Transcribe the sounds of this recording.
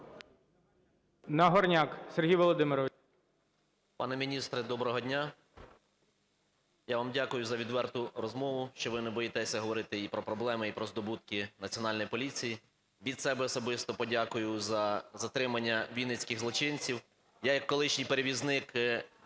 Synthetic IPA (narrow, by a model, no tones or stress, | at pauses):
nɐɦɔrnʲakserɦʲijʋɔlˠɔd̪ɪmɪɾɔʋ | pɑ̰nɛmʲinʲist̪ɾɛd̪ɔbɾɔɦɔdʲnʲa | jaʋɑmdʲakʊjʊzɐʋʲid̪ʋɛrt̪ʊrɔzmɔʋʊʃt͡ʃɔʋɪnɛbɔjet̪ɛsʲɐɦɔʋɔɾɪt̪ɪipɾɔpɾɔblˠɛmɪipɾɔzd̪ɔbut̪kɪnɐt͡sʲiɔnɑlʲnɔjipɔlʲit͡sʲiji | ʋʲid̪sɛbɛɔsɔbɪst̪ɔpɔdʲakʊjʊzɐzɐt̪ɾɪmɐnʲːɐʋʲijnɪt͡sʲkɪɣzlˠɔt͡ʃɪnʲt͡sʲiw | jajɐkːɔlˠɪʃnʲijpeɾeʋʲiznɪk